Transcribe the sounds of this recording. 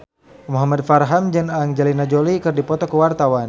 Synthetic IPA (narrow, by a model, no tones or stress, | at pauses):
muɦamad̚farɦamd͡ʒanaŋd͡ʒalinad͡ʒolikɨrdipɔt̪ɔkəwart̪awan